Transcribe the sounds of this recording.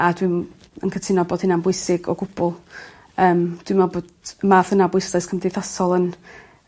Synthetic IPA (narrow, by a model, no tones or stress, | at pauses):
adwɪm | ə̰nkʰətʰɪnɔboːd̥hɪnanbʊɨsɪɡɔ̰ɡʊb̥ʊlˠ | əːmd̥wɪmaboːdmaðənabʊɨsdajskʰəmdɪjθasɔlˠən